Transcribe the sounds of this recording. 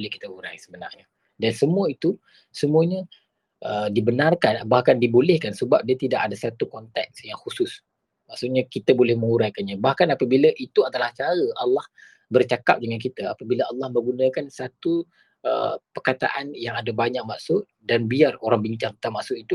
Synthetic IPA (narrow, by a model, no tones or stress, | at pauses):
lɛhkit̪əuɾajsəbəna̰rɲa | dansəmuəit̪u | səmũəɲə | ʔədibənarkanbahkandibolɛhkansəbap̚diat̪idaʔadasat̪ukɔnt̪ɛk̚sjaŋhusʊs | maʔsʊkɲakit̪abolɛhmə̃ŋuɾajkanɲabahkanapəbilaʔit̪uadalaht͡ʃaɾəʔalːɑh | bərt͡ʃaka̰p̚dəŋankit̪aapabilaalːɑhmə̃ɡunãkansat̪u | ə̰pərkat̪a̰ʔanjaŋadabaɲak̚maʔsʊʔ̪̚ | danbiaroɾaŋbiɲt͡ʃaŋt̪ə̥t̪amaʔsʊʔit̪u